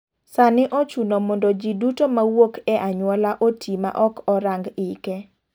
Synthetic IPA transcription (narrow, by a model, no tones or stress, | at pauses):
sanɪʔɔt͡ʃunomɔndɔd͡ʒidutomawokɛʔaɲwɔlaʔotʰima̰ʔɔkɔɾaŋɡɪkɛ